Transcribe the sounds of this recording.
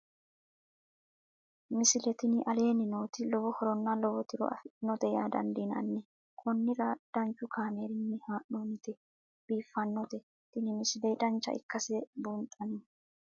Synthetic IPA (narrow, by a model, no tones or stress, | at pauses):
mɪsɪlɛt̪ɪnɪʔɐle̞ːnɪnoːt̪ɪlɔwɔhɔɾɔnːɐlɔwɔt̪ɪɾɔ̰ʔɐ̰fɪnːɔd̪ɛjaːd̪ɐ̰nd̪inɐ̰nːɛ | kʰɔnːɪɾɐd̪̥ɐnt͡ʃʼːʊkʰaːmeːɾɪnːɛhaːʔoːnɪt̪ɛ | b̥iːfːɐnːɔt̪ɛ | t̪ɪnɪmɪsɪlɛjd̪ɐnt͡ʃːɐ̰ʔɪ̰kːɐsɛbuntʼːɐnɛ